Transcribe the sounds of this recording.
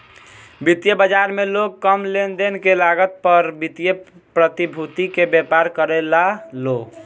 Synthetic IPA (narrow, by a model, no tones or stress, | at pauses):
bit̪jəbəd͡ʒaɾmeloɡkəmlend̪enkelaɡət̪̚pəɾbit̪jə | pɾət̪ibʱut̪ikebjepaɾkəɾɛlaloɡ